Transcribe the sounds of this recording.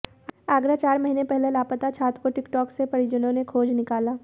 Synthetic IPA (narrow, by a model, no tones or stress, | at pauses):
aːɡɾat͡ʃaːɾmɐɦiːnepɛɦlelaːpət̪at͡ʃʰaːt̪koʈɪkʈɔːksepɐɽid͡ʒənõnekʰoːd͡ʒnɪkaːlaː